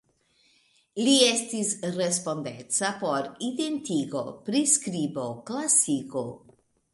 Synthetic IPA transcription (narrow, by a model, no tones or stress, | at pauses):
lie̞stisɾe̞spo̞ndḛt͡sapo̞ɾide̞ntiɡo̞pɾiskɾibo̞klasiko